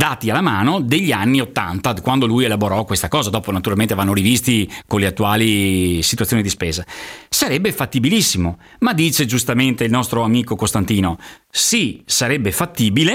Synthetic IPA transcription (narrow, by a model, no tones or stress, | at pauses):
d̪aːt̪ialːamaːnod̪eʎːianːiot̪ːa̰nt̪akwand̪olujelaboɾɔkwest̪akɔːzad̪ɔːponat̪uɾalment̪evanːoɾivist̪ikonleat̪ːuaːlisi̥t̪uat̪ːonid̪ispeːzasaɾɛbːefat̪ːibilisːimo | mad̪ːiːt͡ʃed͡ʒust̪ament̪eilnɔst̪ɾoamiːkokost̪ant̪iːno | sisaɾɛbːefat̪ːiːbile